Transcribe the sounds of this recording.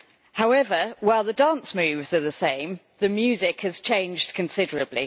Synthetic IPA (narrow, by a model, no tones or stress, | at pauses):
haʊɛvəwaɪlˠðədɑ̃ˑnsmʉːvzəðəsẽɪ̃m | ðəmjʉːzɪkhəz̥t͡ʃʰẽɪ̃nd͡ʒdkʰə̃nsɪdəɹəblḭ